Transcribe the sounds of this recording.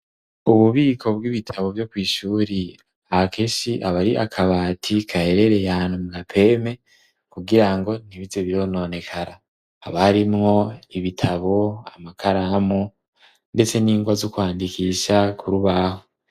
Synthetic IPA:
uβuβiːkʰo̞b̚ɡiβitʰaβo̞vjo̞kwiːʃuːɾi | akʰeʃiʔaβaɾiʔa̰kʰaβaːtʰikʰahe̞ɾe̞ɾe̞jaːnhumuɡapʰe̞ːme̞ | kuɡiɾaŋɡo̞n̥iβizeβiɾo̞no̞ne̞kʰaɾa | haβaɾimŋo̞iβitʰaβo̞amakʰaɾaamo | nde̞t͡se̞niːŋɡwazukwaːndikiʃakʰuɾuβaho

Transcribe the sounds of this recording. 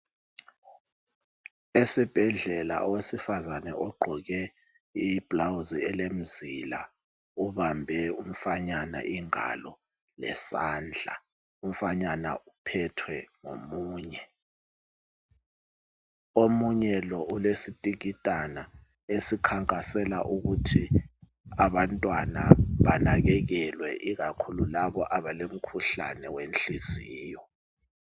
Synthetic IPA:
esib̥ʱɛɮɛla̰ʔɔwesifazanɛ̰ʔɔɡ͡ǃʱɔɣɛ | ib̥lawziɛlem̩zila̰ | uβambʱɛum̩faɲana̰ʔiŋa̰lɔ | lɛ̰saːnd͡ɮʱa | um̩faɲana̰upʰɛtʰwɛŋo̰muːɲɛ | omuɲɛlɔʔulesitʼiɣitʼana | esikʰaŋkʼasɛla̰ʔuɣutʰi | aβantʼwana̰βanaɣɛɣɛlwɛʔiɣakʰululaβɔʔaβalem̩kʰuɬa̰nɛwenɬiz̥iːjɔ

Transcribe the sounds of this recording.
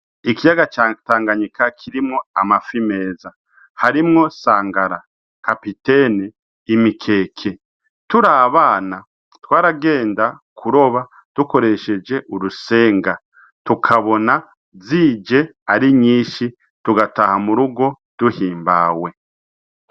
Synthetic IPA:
ikijaɡat͡ʃataːŋɡaɲikʰakʰiɾimŋoamafime̞ːza | haɾimŋo̞saːŋɡaɾa | kapiteniː | mikʰe̞ːkʰe | tuɾaːβaːna | twaːɾaɡe̞ːnda | kʰuɾo̞βa | d̥uko̞ɾe̞ʃe̞d͡ʒe̞ʔuɾuse̞ːŋɡa | tukʰaβo̞na | ziːd͡ʒe̞aɾiɲiːʃi | tuɡatahamuɾuɡo̞ | d̥uhiːmbaːwe̞

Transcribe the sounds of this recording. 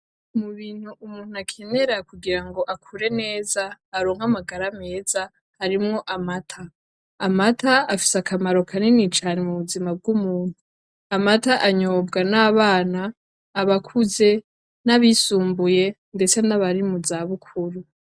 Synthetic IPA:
muβiːn̥huʔumuːn̥uakʰe̞ne̞ɾakuɡiɾaŋɡo̞ʔakʰuɾe̞ne̞ːzaːɾo̞ːŋ̥amaɡaɾame̞ːza | haɾimŋo̞ʔamatʰaː | mataafi̥sakʰamaɾo̞kʰanenit͡ʃaːnemuβuzimab̚ɡumuːn̥hu | amataʔaɲoːbɡanaːβaːnaː | βakʰuze̞ | naβisuːmbuje̞ | nde̞t͡se̞naβaɾimuzaβukʰuɾu

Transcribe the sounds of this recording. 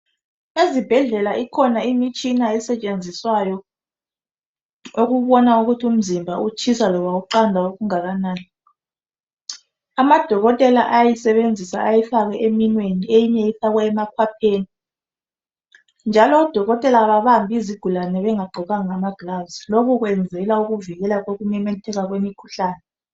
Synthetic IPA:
ezib̥ʱɛɮɛlaikʰɔnaimit͡ʃʰʼinaɛsɛt͡ʃʼend͡zʱiswajɔ | oɣuβɔnauɣutʰium̩zimbʱaut͡ʃʰisalɔβauǃandʱaoɣuŋaɣanaːni | amad̥ʱɔɣɔtʼɛla̰ʔajɛsɛβend͡zʱisa̰ajɛfaɣɛʔeminweniejiɲɛjifaɣwɛːmakʰwapʰeːni | nd͡ʒʱalɔːd̥ʱɔɣɔtʼɛlaβaβambʱiziɡ̥ʱulanɛβɛŋaɡ͡ǃʱɔɣaŋamaɡ̥lazilokuɣwɛnd͡zʱɛlauɣuviɣɛlaɣoɣunɛmɛtʰɛɣaɣwemikʰu̥ɬaːnɛ

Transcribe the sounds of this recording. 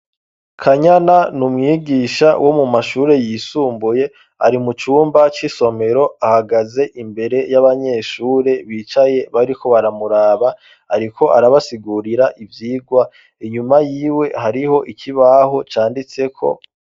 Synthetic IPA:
kʰaɲananumŋiːɡiːʃa̰wʔo̞mumaʃuːɾe̞jiːsuːmbuje̞ | a̰ɾimut͡ʃuːmbat͡ʃiso̞me̞ɾo̞ahaɡaze̞ʔimbe̞ɾe̞jaβaɲe̞ːʃuːɾe̞βiːt͡ʃaje̞βaɾikʰo̞βaɾamuɾaːβa | aɾikʰo̞ʔaɾaβasiɡuɾiɾaʔivjiːɡwa | iɲumajiːwe̞haɾiho̞ʔikʰiβaɦo̞t͡ʃaːndit͡se̞kʰo̞̰

